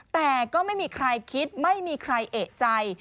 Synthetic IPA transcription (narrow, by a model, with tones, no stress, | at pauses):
t̪ɛː˨˩kɔː˥˩ma˥˩jmiː˧kʰɾa˧jkʰi˦˥t̪̚ma˥˩jmiː˧kʰɾa˧jʔeː˨˩t̪̚t͡ɕa˧j